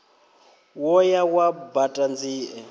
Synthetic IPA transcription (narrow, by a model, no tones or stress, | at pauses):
wɔjawabatʼand͡ziːʔɛ